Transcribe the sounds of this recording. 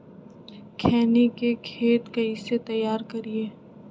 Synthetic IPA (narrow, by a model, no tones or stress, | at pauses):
kʰɛːnekekʰeːt̪kaiset̪ɐjːaːɾkɐɾieː